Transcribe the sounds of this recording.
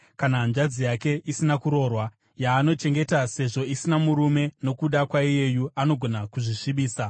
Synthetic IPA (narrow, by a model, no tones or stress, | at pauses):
kanand͡ʒad͡zijake̞ʔisinakuɾo̞ːrwa | jaːno̞t͡ʃe̞ŋɡe̞tase̞ʐo̞isinamuɾume̞no̞kuɗakwaije̞juano̞ɡʱo̞nakuʐiʂiɓiːsa